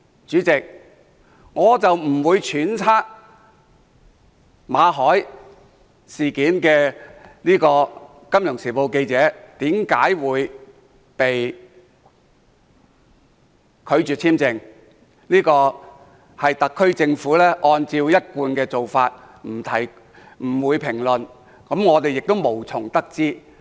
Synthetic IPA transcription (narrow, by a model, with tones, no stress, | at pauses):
t͡ʃyː˨˥t͡sɪ˨k̚ | ŋɔː˨˧t͡sɐ˨wm̩˨˩wuː˨˧jt͡ʃʰyː˨˥nt͡sʰaː˥k̚ | maː˨˧ɦɔː˨˥j | siː˨kiː˨˥nkɛː˧niː˥kɔː˧ | kɐ˥mjʊ˨˩ŋsiː˨˩po˨˧wke˧jt͡sɛː˨˥t̪iː˨˥mkaː˨˥jwuː˨˧j | pe˨j | kʰɵ˨˧ɥt͡ʃy˨t͡sʰiː˥mt͡sɪ˧ŋ | niː˥kɔː˧ | hɐ˨jt̪ɐ˨kʰːɵ˥ɥt͡sɪ˧ŋfuː˨˥lɛː˥ʔɔː˧nt͡siː˧wjɐ˥t̚kuː˧nkɛː˧t͡so˨wfaː˧t̚ | m̩˨˩t̪ʰɐ˨˩j | m̩˨˩wuː˨˧jpʰɪ˨˩ŋlɵ˨˩n | kɐ˨˥mŋɔː˨˧t̪e˨jɪ˨k̚t̪o˥wmo˨˩wt͡sʰʊ˨˩ŋt̪ɐ˥k̚t͡siː˥